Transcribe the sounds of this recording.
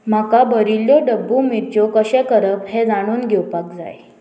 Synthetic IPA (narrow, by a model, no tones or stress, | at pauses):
m̤akabəɾiljoɖəbːumiɾt͡ɕokəɕɛ̃kəɾəbhed͡zaɽ̃uːnɡʱewpak̚d͡za̰j